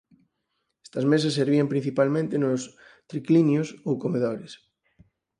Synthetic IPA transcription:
ɛ̥st̪ɐzmes̬ɐsːeɾβiɐmpɾĩn̟θipalmẽnt̪enos | t̪ɾiklinjosowkomeðoɾes

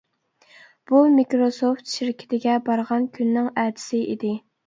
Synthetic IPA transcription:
b̥umikɾosoft̪ʃiɾkʲʰɪ̥t̪ʰɪɡʲɛbɑɾʁɑnkʲʰynːɪŋɛd̪ɪ̥sɪʔḭd̪ɪ

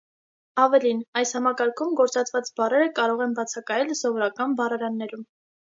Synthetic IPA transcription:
ɑvɛlinɑjshɑmɑkɑɾkʰumɡɔɾt͡sɑt͡svɑt͡sbɑrɛɾəkɑɾɔʁɛnbɑt͡sʰɑkɑjɛlsɔvɔɾɑkɑnbɑrɑɾɑnːɛɾum

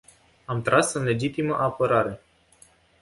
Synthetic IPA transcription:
amt̪ɾasɨnle̞d͡ʒit̪iməʔapəɾaɾe̞

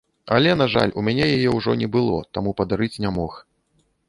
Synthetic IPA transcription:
ɐlʲɛnaʐa̰lʲʔumʲanʲɛjajɛwʐɔnʲɛbɨlˠɔ̰t̪amupɐd̪aɾɨt͡sʲnʲamɔx

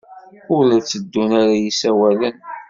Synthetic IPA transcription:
ʊlæt͡sːəd̪ːunaɾajisæwælən

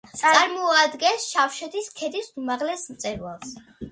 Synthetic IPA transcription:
t̪sʼaɾmɔad̪ɡɛnsʃafʃɛt̪ʰiskʰɛd̪isumaʁlɛsmt̪sʼɛɾwa̰lˠs

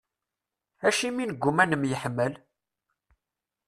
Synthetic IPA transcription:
æʃiminəɡʷːumænəmjəħmːəl

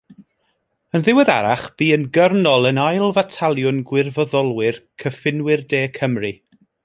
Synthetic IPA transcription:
ənðɪwəða̰ɾaχb̥iːənɡərnɔlˠənajlˠvatʰalˠjʊnɡwɪrvɔðɔlˠwɪrkʰəfɪnwɪrdeːkʰəmri

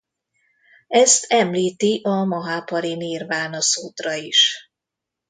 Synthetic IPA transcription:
ɛst̪ʰɛmliːt̪iʔɒmɒɦaːpɒɾiniːrvaːnɒsuːt̪rɒiʃ

